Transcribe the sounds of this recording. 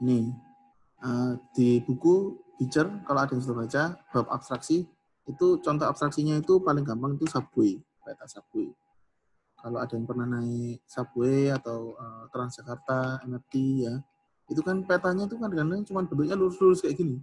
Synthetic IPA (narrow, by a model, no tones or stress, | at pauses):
nɪh | əd̥ib̥ukub̥it͡ʃərkaloadajaŋsut̪ərbat͡ʃab̥apa̰bst̪ɾaksi | it̪ut͡ʃɔnt̪ɔapst̪ɾaksiɲait̪upalɪŋɡampaŋit̪usab̥ue | pɛt̪aʔsab̥ue | kaload̥ajaŋpərnahnaɪsab̥ueat̪awət̪əɾand͡ʒ̥akart̪aɛnɛrt̪ija | it̪ukanpet̪aɲait̪ukankanat͡ʃumanb̥ət̪ʊɲaluɾʊsluɾʊskajaʔɡini